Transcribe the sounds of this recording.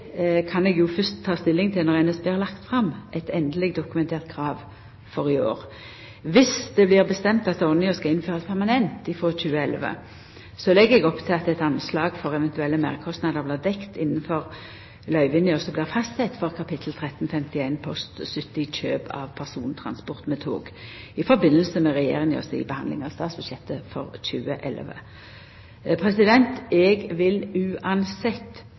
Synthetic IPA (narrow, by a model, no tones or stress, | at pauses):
kʰɑnɛːɡjʊfœst̪ʰːɑːst̪ɪlːɪŋt̪ʰɪlnɔʁɛnɛsbeːɛʁlɑkt̪fʁɑmʔɛt̪ɛnd̪əlɪɡd̪ʊkʉmɛnt̪ʰeːʁt̪̚kʰɾɑːʋ | fɔʁɪo̰ːʁ | ʋɪsd̪ɛblɪʁbəst̪ɛmt̪ɑt̪ɔʁnɪɔskɑɪnføːʁɑspʰæʁmɑnɛnt̪ɪfʁɔc͡çʉːəɛlʋə̰ | sɔlɛɡːəɛɡɔpːt̪ʰɪlɑt̪ɛt̪ɑnslɑːɡfɔʁɛʋɛnt̪ʉɛlːəmæ̰ːʁkʰɔst̪nɑːd̪əʁblɪːʁd̪ɛkt̪ɪnːənfɔʁ | lœʏʋɪnɪɔsɔblɪːʁfɑst̪sɛt̪ːfɔʁkʰɑpɪt̪ʰl̩t̪ʰʁɛt̪ːn̩fɛmt̪ɪæɪnpʰɔst̪sʏt̪ːɪt͡ʃøːbʰɑ̰ʋpʰæʁsuːnt̪ʰʁɑ̰nspɔʁt̪mɛt̪ʰo̰ːɡ | ɪfɔɾbɪnːəl̩səmɛʁɛjḛːʁɪŋɔ̰sɪ̰bəhɑnd̪ɪ̰ŋɑʋst̪ɑːt̪sbʉɕjɛt̪ːəfɔʁc͡çʉːəʔɛlʋə̰ | pʰʁɛsɪd̪ɛnt̪ɛɡʋɪlʉːʔɑnsɛt̪ː